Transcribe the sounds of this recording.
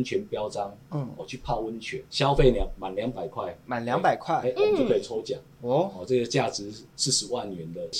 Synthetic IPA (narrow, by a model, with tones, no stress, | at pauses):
nt͡ɕʰɥɛ˨˧˥npjɑ˥ʊʈ͡ʂɑ˦ŋ̩˥˨˩wɔ˨˩t͡ɕʰy˥˧˨pʰa˥˧wə˦nt͡ɕʰɥɛ˧˦nɕjɑ˥˦ʊfe˥˩ɪljɑ˨˦ŋma˨˩nljɑ˧˦˥ŋpa˨˩ɪkʰwa˥˩ɪma˨˩nlja˨˧˦ŋpa˨˩ɪkʰwa˥˩e˥˩˥o˥˧kʰe˥˩t͡sʰo˥˦ʊt͡ɕja̰˨˩˦ŋ˧ɔ˥˨˩ʈ͡ʂɤ˥˩ɡə˩t͡ɕja˥˩t͡sɻ̩˨˦sɻ̩˥˩ʂɻ̩˧˦wa˥˩nɥɛ˧˦nd̪ə˨